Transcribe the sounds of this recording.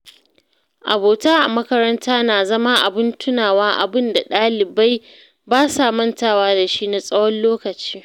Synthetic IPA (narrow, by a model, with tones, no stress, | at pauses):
ʔa̰˨boː˨taː˦ʔa˨mɐ˦kɐ˦ɾɐ˦ntʰaː˦naː˨zɐ˦ma˦ʔa˨bɪ˦ntʊ˦naː˨waː˦ʔa̰˨bɪ˦nda˨ɗaː˦lɪ˨ba˦j | baː˦sa˨mɐ˦ntaː˦˨waː˦da˨ʃi˦na˨sʼɐ˦wɔ˦nloː˦kɐ˨t͡ʃi̥ː˦